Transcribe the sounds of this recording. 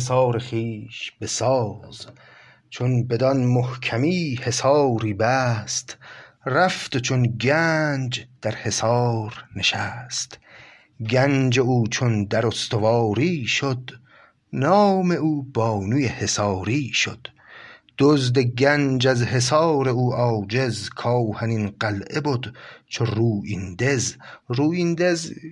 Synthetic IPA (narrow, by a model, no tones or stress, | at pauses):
es̬ɑːɾeχiːʃb̥e̞sɒːz̥ | t͡ʃʰonbe̞d̪ɒnmohkʰæmiːhe̞sɒːɾiːbæst̪ræft̪ot͡ʃʰonɡænd͡ʒd̪̥æɾhe̞sɒːɾne̞ʃæst̪ | ɡænd͡ʒe̞uːt͡ʃʰond̪æɾost̪ovɒːɾiːʃod̪ | nɒːme̞uːbɒːnuːjehesɒːɾiːʃo̰d̪̥ | d̪̥ozd̪eɡænd͡ʒæzhe̞s̬ɒːɾe̞uːʔɒːd͡ʒe̞zkʰɒːhæninɢælʔebod̪t͡ʃʰoruːʔind̪e̞zɾuːind̪ez